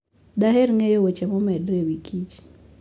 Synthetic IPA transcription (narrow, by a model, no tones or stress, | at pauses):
daɦeɾŋejowot͡ʃɛmɔmɛdɾewikʰit͡ʃ